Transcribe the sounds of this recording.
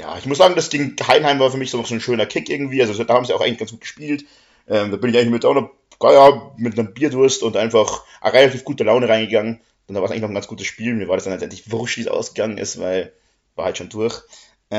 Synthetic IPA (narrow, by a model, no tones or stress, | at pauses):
ja̰ːɪçmʊszaːɡŋ̩dasɡ̥eːɡŋ̩haɪnhaɪmvaːɐfyːɐmɪçz̥oːnɔχz̥oːnʃøːnɐkʰɪkʔɪɐɡŋ̩tv̥iːʔalzodahaːbmziːaʊxaɪŋlçɡ̥ansɡ̥uːtɡ̥ə̥ʃpiːlt | ʔɛːmdaːbɪnɪçaɪŋlnmɪtdaʊnɐ | ɡ̥ɔɪamɪtnəmmbiːɐdʊɐstʊntʔaɪnfaχʔʁelatʰiːfɡ̥uːtəlaʊnəʁaɪnɡəɡaŋən | d̥ɛndavaːsaɪŋɪçnɔχn̩ɡant͡sɡ̥uːtəsʃpiːlmiːɐvaːɐdasanlɛtʔɛntlɪçvʊʁʃtv̥iːsʔa̰ʊsɡ̥əɡaŋənʔɪ̰stva̰ɪl | vaːɐhaltʃoːndʊɐç | ʔɛ